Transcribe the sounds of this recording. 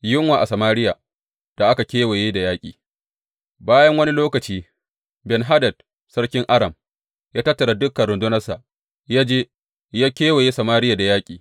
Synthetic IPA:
jʊ˦ŋwaː˨ʔa˨sɐ˨maː˦ɾɪ˦ja˨ | d̥a˨ʔa˦ka˨kʲeː˦we˨jeː˦da˨jaː˦kʲʼḭː˨ | baː˦jɐ˦ŋwɐ˦ni˦loː˦kɐ˨t͡ʃiː˦ | bɛ˨nɦa˦dɐ˨d̚ | sɐ˦ɽkʲɪ˦ŋʔa˦ɾɐ˨m | jaː˦tɐ˦tːɐ˨ɽa˨dʊ˦kːɐ˨nɽʊ˨ndʊ˦nɐ˦sa˨ʔ | jaː˦d͡ʒeː˦ | jaː˦kʲeː˦we˨jeː˦sɐ˨maː˦ɾɪ˦ja˨da˨jaː˦kʲʼiː˨

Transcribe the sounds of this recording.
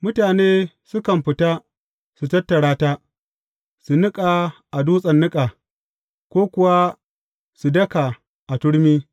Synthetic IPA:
mʊ˦taː˨neː˦ | sʊ˦kɐ˨mɸɪ˨taː˦ | su˨tɐ˦tːɐ˨ɽaː˦ta˦ | su˨nʊ˦kʼa˨ʔa˨duː˦sʼɐ˨nːʊ˦kʼa˨ | kʷoː˦kʷʊ˨wa˦ | su˨dɐ˦ka˨ | ʔa˨tʊ˦ɽmiː˦

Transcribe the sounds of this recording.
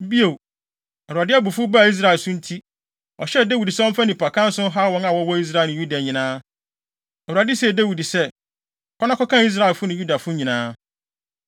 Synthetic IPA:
bi˦o˨ | ɛ˨wu˨a˨dɪ˦a˦bu˨fʊ˦ba˨i˦s̬ɾa˦˨ɛ˨lsʊ̃˦n̩˦tʰi˦ | ɔ˨ɕɛ˦˨dæ˦wi˨di˨sɛ˦ɔ̃˦m̩˦fa˦nĩ˨pʰa˨kʰã˦n̩˦sʊ̃˦ɦa˦wɔ̃˦ŋã˨wɔ˦wɔ˦i˦s̬ɾa˦˨nɪ̃˨ju˦da˨ɲĩ˨nãː˦ | ɛ˨a˨dɪ˦sɛ˦˨dæ˦wi˨di˨sɛ˦ | kʰɔ˦nã˦kʰɔ˦kʰã˦˨i˦s̬ɾa˦e˨lfʊ˦nʊ̃˨ju˦da˨fʊ˦ɲĩ˨nãː˦

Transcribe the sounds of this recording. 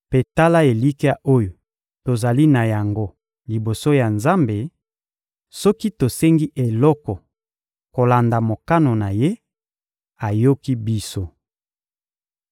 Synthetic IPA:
pe˨ta˦la˦e˨li˦ki˦a˦ʔo˦jo˨ | to˨za˨li˦na˨ja˨ŋɡo˦ | li˨bo˨so˦ja˨nza˦mbe˨ | sɔ˦ki˦to˨sɛ˦ŋɡi˦ʔe˨lɔ˦kɔ˨ | ko˨la˨nda˨mo˨ka˦no˨na˨je˦ | a˨jo˦ki˦bi˦so˦

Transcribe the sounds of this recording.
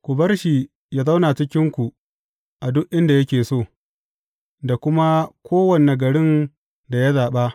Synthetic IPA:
kʷʊ˨bɐ˦rʃi˨ | ja˦za˦wnaː˨t͡ʃɪ˦kʲɪ˦ŋkʷu˨ | ʔa˨dʊ˦ʔʔɪ˦nda˨jɐ˦kʲeː˨soː˦˨ | da˨kʷʊ˦ma˦kʷʰoː˦wɐ˨ne˨ɡɐ˨ɽɪ˦n | da˨ja˦zaː˨ɓa˦ʔ

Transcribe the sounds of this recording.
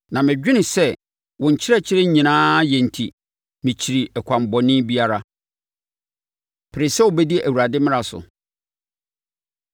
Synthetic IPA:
nã˨mɪ̃˨d͡ʑᶣɪ˦nɪ̃˨sɛ˦ | wɔ̃˨ɲ̩˨t͡ɕʰɪ˦ɾɛ˦t͡ɕʰɪ˦ɾɛ˦ɲĩ˨nãː˦jɛ̃˨n̩˨tʰi˨ | mɪ̃˨t͡ɕʰi˨ɾi˨ɛ˨kʷʰã˨m˨bɔ˨nɪ̃˦bi˦a˦ɾa˦ | pʰɪ˨ɾɪ˨sɛ˦wʊ˨bɛ˦di˦æ˨wu˨ɾa˨dɪ˦mɪ̃˦a˨sʊ̰˨

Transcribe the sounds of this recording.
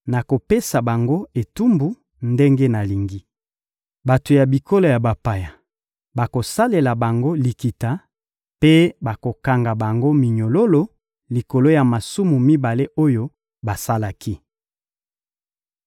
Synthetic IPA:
na˨ko˨pe˦sa˨ba˨ŋɡo˦e˨tu˦mbu˨ | nde˦ŋɡe˦na˨li˨ŋɡi˦ | ba˨to˨ja˨bi˨ko˦lo˨ja˨ba˨pa˨ja˨ | ba˨ko˨sa˦le˨la˨ba˨ŋɡo˦li˨ki˨ta˨ | pe˦ba˨ko˨ka˨ŋɡa˨ba˨ŋɡo˦mi˨ɲo˨lo˦lo˦ | li˨ko˨lo˦ja˨ma˨su˦mu˨mi˦ba˨le˦ʔo˦jo˦ | ba˨sa˦la˦kʰi˦

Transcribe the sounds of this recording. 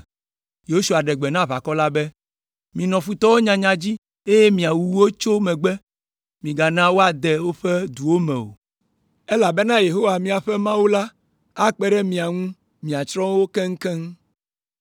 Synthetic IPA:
je˨o˦su˨a˨ɖɛ˨ɡ͡bɛ˨nã˦βa˨kɔ˦la˦bɛ˦ | mĩ˨nɔ̃˨fu˨t̪ɔ˦wo˦ɲã˨ɲã˨d͡ʑi˦ | e˦je˦mĩ˨a˨wu˨˦wo˦t͡ʃo˦mɛ̃˨ɡ͡bɛ˦ | mĩ˨ɡa˨nã˦wo˦a˨d̪ɛ˨wo˦ɸɛ˦d̪u˨wo˦mɛ̰̃˨o̰˨ | e˦la˨bɛ˦nã˦je˨ɦo˦wa˨mĩ˦a˨ɸɛ˦mã˦wu˦la˦ | a˦k͡pɛ˦ɖɛ˦mĩ˨a˨ŋũ˦ | mĩ˨a˨t͡ʃɾɔ̃˦wo˦kɛ˦ŋ̩˦kɛ˦ŋ˦

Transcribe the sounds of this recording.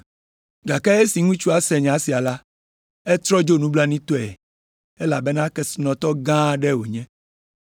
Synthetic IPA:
ɡa˨ka˦e˦si˨ŋũ˦t͡ʃu˦a˨sɛ˨ɲ˨ã˨˦si˨a˨la˦ | ɛ˦t̪ɾɔ˦d͡ʒo˦nũ˦bla˦nĩ˦t̪o˦ɛ˨ | e˦la˨bɛ˦nã˦kɛ˦snɔ̃˨t̪ɔ˦ɡã˦ɖɛ˦wo˨ɲɛ̃˦

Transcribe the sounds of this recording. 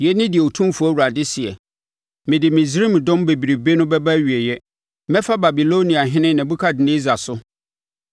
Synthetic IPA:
jɛ˨˦nɪ̃˦dɪ˨ɛ˨o˨tʰũ˦fu˨˦æ˦wu˨ɾa˨dɪ˦sɪ˨ɛ̰˨ | mɪ̃˨dɪ˨mĩ˨sɾi˦˨m˨dɔ̃˦mbe˨bi˨ɾi˨be˦nʊ̃˦bɛ˦bæ˦ɥi˨ɛ˨jɛ˦ | mɛ̃˦fa˦ba˨bi˨lo˦nĩ˨a˨ɦɪ̃˦nɪ̃˦nã˨bu˦kʰa˦dɪ˨nẽ˦za˨sʊ˦

